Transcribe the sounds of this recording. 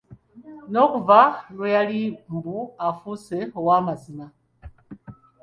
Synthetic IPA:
nokuvalujalimbuafuseowamazina

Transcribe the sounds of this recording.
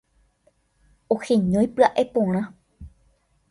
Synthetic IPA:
oxẽɲõjpɨaʔepõɾ̃ã

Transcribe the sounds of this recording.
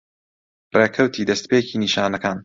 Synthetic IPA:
reːkʰɐwt̪ʰiːd̪ɐst̪peːciːniʃaːnɐkaːn

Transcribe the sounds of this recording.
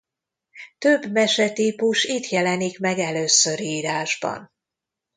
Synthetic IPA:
t̪øbmɛʃɛt̪ipuʃit̪jɛlɛnikmɛɡɛløːsːøɾiːɾaːʒbɒ̰n

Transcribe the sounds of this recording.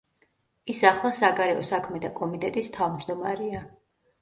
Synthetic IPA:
isaχlˠasaɡaɾɛɔsakʰmɛt̪ʰakʼɔmit̪ʼɛt̪ʼist̪ʰavmd͡ʒd̪ɔmaɾɛa

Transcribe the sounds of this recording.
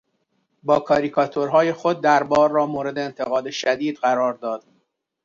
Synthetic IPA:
bɒːkʰɒːɾikʰɒt̪ʰo̞ɾɦɒːje̞xo̞d̪̚ːæɾbɒːɾːɒːmoːɾe̞d̪eːnt̪ʰeɣɒːd̪eʃæd̪iːd̪ɢæɾɒːɾd̪ɒːd̪̥

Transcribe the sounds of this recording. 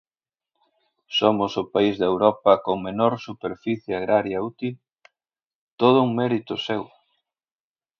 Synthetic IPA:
somʊsʊpaizðɐewɾɔpɐkoŋmenoɾsupeɾfiθjeaɣɾaɾjɐut̪il | t̪oð̞ʊuŋmɛɾit̪ʊsew

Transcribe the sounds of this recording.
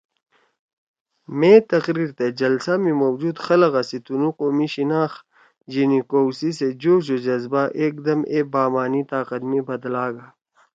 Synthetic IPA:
mẽːt̪ɐqɾiːɾt̪ed͡ʑɐlsamimowd͡ʒuːd̪xɐlɐɣɐsit̪unuqoːmiɕinaːx | d͡ʒinikoːwsised͡ʑoːɕod͡ʑɐzbaʔeːk̚d̪ɐmeːbaːmaːnit̪aːqɐt̪mĩbɐd̪laːɡaː

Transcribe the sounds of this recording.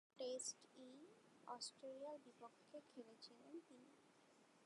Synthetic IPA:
ʈesʈi | ɔsʈɾelialbipokʰːekʰelet͡ɕʰilent̪ini

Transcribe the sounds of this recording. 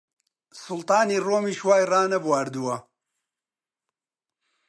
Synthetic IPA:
sʊlt̪ɑːniːroːmiːʃwaːjraːnɐbwaːɾd̪uwɐ

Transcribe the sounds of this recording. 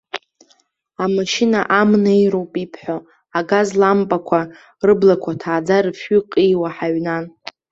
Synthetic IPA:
amaʃinaʔamnejɾowpʼipʰħʷᶣo | aɡazlambʼakʷʰa | rɨblakʷʰatʰaːd͡zaɾɨfɥʏqʼijwaħaɥnan

